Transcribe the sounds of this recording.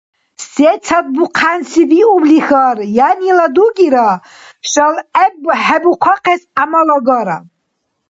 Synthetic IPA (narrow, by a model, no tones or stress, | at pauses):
set͡sʰat̚buqʰansibiublixarjaniladuɡʲiɾa | ʃʼalabħabukʷʰaqʰesamaloɡaɾa